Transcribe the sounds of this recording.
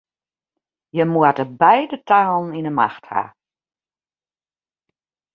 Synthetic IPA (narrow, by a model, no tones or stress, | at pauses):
jəmuətəbɛjdətaːlˠn̩inəma̰xtha̰